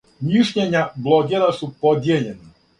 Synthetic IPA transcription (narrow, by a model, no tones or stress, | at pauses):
miʃɲeɲablˠoɡ̪jelasupod̪jeʎena